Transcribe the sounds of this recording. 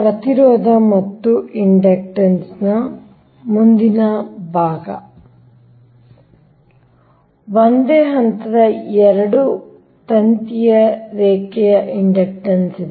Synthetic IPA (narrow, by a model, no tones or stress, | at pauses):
pɾɐt̪iɾɔːd̪ʱɐmɐt̪ːuiɳɖek̚ʈɐnsnɐ | mund̪inɐbʱaːɡɐ̰ | ʋond̪eːɦɐnt̪ɐd̪ɐɛɾɐɽu | t̪ɐnt̪ijɐɾɛːkɛjɐʔiɳɖek̚ʈɐnsid̪